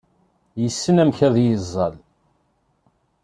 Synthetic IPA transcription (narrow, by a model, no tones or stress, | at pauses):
jəsːənæmçæðjəzˤːɑ̰l